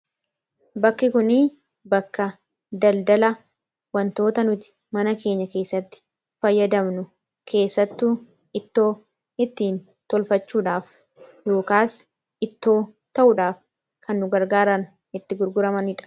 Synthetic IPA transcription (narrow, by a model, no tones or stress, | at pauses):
bɐkːɪkʊnɪ | bɐkːɐ | d̪ɐld̪ɐlɐ | wɐnt̪o̞ːt̪ɐnʊt̪ɪ̥ | mɐnɐke̞ːɲːɐke̞ːsːɐt̪ːɪ̥ | fɐjːɐd̪ɐmnʊ | kʰe̞ːsːɐt̪ːuː | ɪt̪ːo̞ː | ɪt̪ːiːn | t̪ɔlfɐt͡ʃːuːᶑaːf | jo̞ːkaːs | ɪt̪ːo̞ː | t̪ɐʔʊᶑaːf | kʰɐnːʊɡɐɾɡaːɾɐn | ɪt̪ːɪɡʊɾɡʊɾɐmɐnɪᶑɐ̥